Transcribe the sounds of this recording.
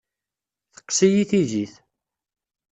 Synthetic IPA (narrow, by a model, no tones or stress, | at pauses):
θə̥qːsijiθiðiθ